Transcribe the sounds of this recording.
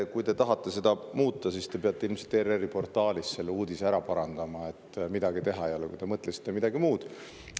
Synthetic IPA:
kujt̪e̞t̪ɑɦɑt̪ːe̞se̞d̪̥ɑmuːt̪ːˑɑsiːst̪e̞peɑt̪ːˑe̞ilmselt̪ːererːipo̞rt̪ːˑɑːlisːe̞lːeuːd̪isæɾɑpɑɾɑnd̪ɑmɑe̞t̪ːmid̪̥ɑɡ̥it̪e̞ɦɑejo̞lɛkṵjt̪emɤt̪ˑlesi̥t̪ːemid̪̥ɑɡimuːd̪̥

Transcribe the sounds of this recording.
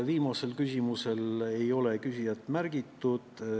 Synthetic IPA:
viːmɑse̞lkysʲimuse̞le̞jo̞le̞kysijɑt̪ːˑmærɡ̥it̪ːud̪̥

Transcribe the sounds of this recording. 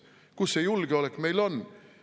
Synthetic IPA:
kusːejulɡ̥eolekːˑme̞jlo̞n

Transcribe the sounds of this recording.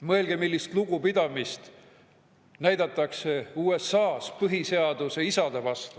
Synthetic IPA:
mɤe̞lɡemilːist̪luɡ̥upid̪̥ɑmist̪ | næjd̪̥ɑt̪ːˑɑkse̞uːesɑːspɤɦise̞ɑd̪use̞isɑd̪̥evɑst̪u̥

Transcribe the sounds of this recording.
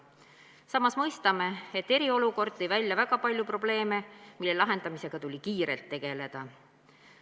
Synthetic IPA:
sɑmːɑsmɤjst̪ɑme̞et̪ːe̞ɾio̞luko̞rd̪̥̚t̪e̞jvælʲjɑvæɡ̥ɑpɑlʲjupro̞ble̞ːme̞milːe̞lɑɦe̞nd̪̥ɑmise̞ɡ̥ɑt̪ulʲikiːɾe̞lt̪ːe̞ɡ̥e̞le̞d̪̥ɑ

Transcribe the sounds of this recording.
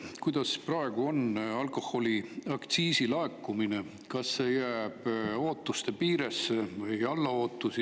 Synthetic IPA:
kujd̪̥ɑsprɑeɡ̥uo̞nɑlko̞ho̞lʲiɑkt̪siːsilɑekːˑumine | kɑsːe̞jæːb̥o̞ːt̪ːˑust̪e̞piːɾesːevɯjɑlːɑo̞ːt̪ːˑusi

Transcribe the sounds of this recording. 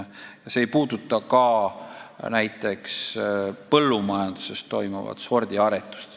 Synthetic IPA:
jɑse̞ːjpuːd̪̥ut̪ˑːɑkɑ | næjt̪ːˑe̞kspɤlːumɑjɑnd̪̥use̞st̪ːo̞jmuvɑ̰d̪̥so̞rd̪̥ʲiɑɾet̪ːˑu̥st̪

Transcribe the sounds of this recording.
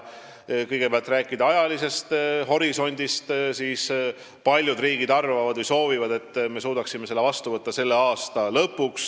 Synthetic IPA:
kɤjɡ̥e̞peɑlt̪ræːkˑːid̪ɑɑjɑlise̞st̪ho̞ɾiso̞nʲd̪̥ist̪siːs | pɑlʲjud̪riːɡid̪ɑrvɑvɑd̪vɯjso̞ːvivɑd̪e̞t̪ːˑme̞suːd̪ɑksimese̞lːevɑst̪uvɤt̪ːɑse̞lːe̞ɑːst̪ɑlɤpːuks

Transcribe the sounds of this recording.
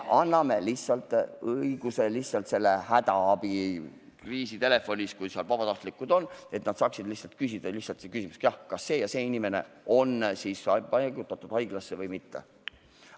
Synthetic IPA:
ʔɑnːɑme̞lihsːɑlt̪ːˑɤiɡ̥uselihssɑlt̪se̞lːe̞hæt̪ɑɑb̥i | kriːsit̪e̞le̞fo̞nʲiskujsiɑlvɑb̥ɑt̪ɑht̪likːˑud̪̥o̞nːe̞t̪nɑd̪̥sɑːksid̪̥lihsɑlt̪̚kysid̪̥ɑlihsɑlt̪sekysimusekjɑhkɑsːe̞ːjɑse̞ːinime̞ne̞̰o̞nsiːsɑpɑɡut̪ːˑɑt̪ːˑud̥̪ɑjɡ̥lɑsːevɤjmit̪ːḛ

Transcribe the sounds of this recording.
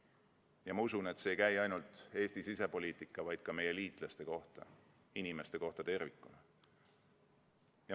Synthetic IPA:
jɑmɑusune̞t̪se̞ːjkæjɑjnult̪ˑe̞ːst̪isise̞po̞lʲiːt̪ˑikːˑɑvɑjd̪̥̚kɑme̞jːeliːt̪ˑlɑst̪e̞ko̞ht̪ɑ̰ | inime̞st̪e̞ko̞ht̪ɑt̪e̞rvikːˑunɑ | jɑ

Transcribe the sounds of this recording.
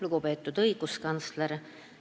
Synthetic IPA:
luɡ̥upe̞ːt̪ːˑud̪ɤjɡ̥uskɑnsleɾ

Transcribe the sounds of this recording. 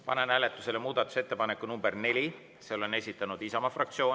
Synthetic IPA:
pɑ̰nenæːle̞t̪ːˑuse̞le̞muːd̪ɑt̪ːˑu̥se̞t̪ːe̞pɑne̞kːˑunumbe̞rne̞lʲi | seo̞le̞ne̞sʲit̪ːˑɑnud̪̥isɑmɑfrɑkt̪sio̞ː

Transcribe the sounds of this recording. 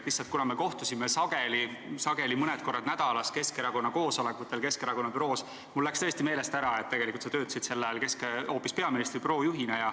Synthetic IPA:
lisːɑlt̪̚kunɑme̞ko̞ht̪usʲimesɑɡ̥e̞lisɑɡ̥e̞limɤned̪̚ko̞rːɑd̪̥næd̪̥ɑlɑske̞ske̞ɾɑko̞nːɑko̞ːso̞le̞kːˑut̪ːˑe̞lke̞ske̞ɾɑko̞nːɑpyɾo̞ːs | mulːækst̪ɤest̪ime̞ːle̞st̪æɾɑet̪ːe̞ɡ̥elikult̪sɑt̪øːt̪ːˑɑsit̪se̞lːɑjɑlke̞skeo̞ːpːispe̞ɑminist̪ripro̞ːjuɦinejɑ

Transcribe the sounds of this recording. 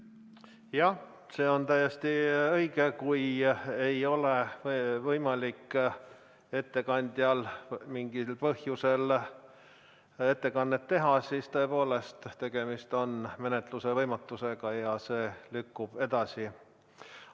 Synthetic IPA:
jɑh | se̞ːo̞nt̪æjːest̪iɤjɡekuje̞jo̞le̞vvɤjmɑlikː | e̞t̪ːe̞kɑnʲd̪̥jɑlmiŋɡ̥ilpɤhjuse̞l | e̞t̪ːe̞kɑnːet̪ːe̞ɦɑsiːst̪o̞e̞po̞ːle̞st̪t̪e̞ɡ̥e̞mist̪o̞nme̞net̪luse̞vɤjmɑt̪ːˑuse̞ɡ̥ɑjɑse̞ːlykːub̥e̞d̪̥ɑsi

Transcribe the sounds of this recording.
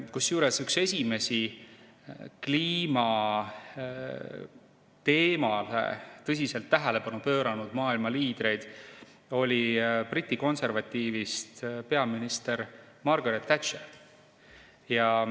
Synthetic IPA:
kusjuːɾesykse̞sʲime̞si | kliːmɑ | t̪e̞ːmɑlḛt̪ɤs̬ʲise̞lt̪ːæɦæle̞pɑnupø̞ːɾɑnud̪̥mɑːilmɑliːd̪̥ɾe̞jd̪̥ | o̞lʲiprit̪ʲːˑiko̞nse̞rvɑt̪ʲːˑiːvist̪pe̞ɑminist̪e̞ɾ | mɑrɡɑɾet̪ːæt̪t͡ʃe | jɑ

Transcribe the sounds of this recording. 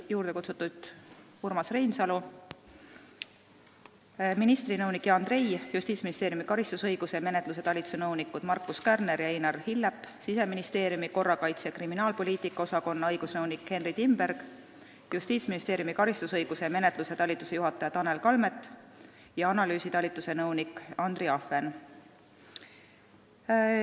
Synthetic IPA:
juːɾd̪̥e̞kut̪sut̪ːˑud̪̥ | urmɑsre̞jnsɑlu | minist̪rinɤwnikːjɑɑnd̪re̞jjust̪iːt̪sminist̪e̞ːɾjumikɑɾist̪usɤ̞jɡ̥use̞me̞net̪ˑluse̞t̪ɑlʲit̪usenɤwnikːˑud̪̥mɑrkːˑuskærne̞ɾjɑejnɑrhilːepːsise̞minist̪e̞ːɾjumiko̞rːɑkɑjt̪sekriminɑːlpo̞lʲiːt̪ˑikːˑɑosɑko̞nːɑɤjɡ̥usnɤwnikːe̞nrid̪imb̥e̞ɾɡ̥ | just̪iːt̪sminist̪e̞ːɾjumikɑɾist̪usɤjɡ̥use̞me̞net̪ˑluse̞t̪ɑlʲit̪ːˑuse̞juɦɑt̪ːˑɑjɑt̪ɑne̞lkɑlme̞t̪ːˑ | jɑɑnɑlyːsit̪ɑlʲit̪ːˑuse̞nɤwnikːɑnd̪̥riɑfe̞n

